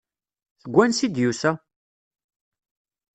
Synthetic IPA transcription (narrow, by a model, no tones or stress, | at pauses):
θəɡʷːænsid̪jusæ